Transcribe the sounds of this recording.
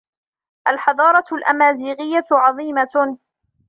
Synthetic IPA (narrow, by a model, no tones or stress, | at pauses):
ʔalħɑðˤɑːɾˤɑlʔa̰maːziːɣɪjːat̪ʕɑðˤiːma